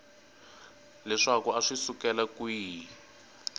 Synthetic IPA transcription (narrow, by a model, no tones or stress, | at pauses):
lɛʂakuaʂisukɛlakwiː